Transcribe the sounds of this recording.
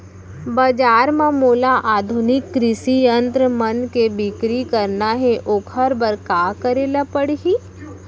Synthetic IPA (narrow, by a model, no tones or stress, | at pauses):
bad͡ʒaːɾmãmoːlaʔaːd̪ʱʊnɪkːɾɪsijə̃nt̪ɾəmənkebɪkɾikɐɾnaɦɛʔokʰəɾbəɾkaːkəɾeːlapəɽɦiː